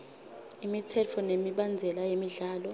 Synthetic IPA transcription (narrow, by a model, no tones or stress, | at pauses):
imitʰɛt͡fʰɔnemiɓand͡zʱɛlajemiɮaːlɔ